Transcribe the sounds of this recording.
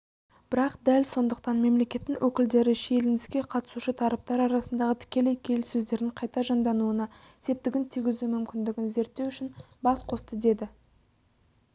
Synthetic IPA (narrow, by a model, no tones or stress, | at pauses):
b̥ɪɾɑqd̪ælso̞nd̪əqt̪ɑnme̞mle̞kʲe̞t̪ːɪŋwʔɵkʲɪld̪e̞ɾɪʃelɪnɪskʲe̞qʰɑt̪ə̥suʃət̪ʰɑɾɑp̚t̪ɑɾɑɾɑsənd̪ɑʁət̪ʰɪ̥kʲe̞le̞jkʲʰe̞lsɵzd̪e̞ɾɪɴqʰɑjt̪ɑʒɑnd̪ɑnuənɑ | ɪse̞p̚t̪ɪɡʲɪnt̪ʰijɡʲɪzumʏmkʲɪnd̪ɪɡʲɪnze̞ɾt̪ːewʏʃɪn | bɑsqʰo̞st̪əd̪e̞d̪ɪ